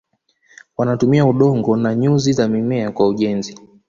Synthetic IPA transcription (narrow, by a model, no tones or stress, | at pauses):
wanatumiauɗɔŋɡɔnaɲuzizamimɛakwauʄɛnzi